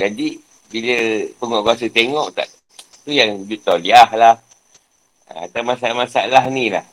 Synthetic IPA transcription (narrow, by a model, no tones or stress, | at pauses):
d͡ʒadi | biləpəŋɔʔkuasət̪eŋɔʔt̪a̰ʔ | t̪ujaŋud͡ʒut̪oliahlah | ə̰a̰t̪awmasamasalahnĩla̰h